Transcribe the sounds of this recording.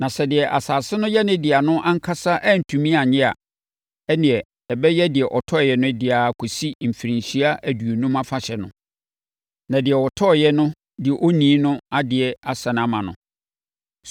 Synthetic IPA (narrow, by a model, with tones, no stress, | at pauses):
nã˨sɛ˨dɪ˨ɛ˨ʔa˨saː˨sɪ˦nʊ̃˦jɛ˦nɪ̃˦dɪ˨a˨nʊ̃˦ʔã˦ŋ̩˦kʰa˦sa˦ʔɛ˦˨n̩˨tʰũ˨mĩ˦a˨ɲɪ̃˦a˨ | ɛ˦nɪ̃˨ɛ˨ | ɛ˨bɛ˦jɛ˦dɪ˨ɛ˨ʔɔ˨tʰɔ˦˨jɛ˨nʊ̃˦dɪ˨a˨kʰo˨si˦˨m̩˨fi˨ɾĩ˨ɲ˨ɕi˦a˦ʔæ˨du˨o˨nũ˦ma˦fa˨ɕɛ˨nʊ̰̃˨ | nã˨dɪ˨ɛ˨wɔ˨tʰɔ˦˨jɛ˦nʊ̃˦ | dɪ˨ɛ˨ʔo˦nĩː˨˦nʊ̃˦a˦dɪ˨ɛ˨a˦sã˨nã˦mã˨nʊ̰̃˨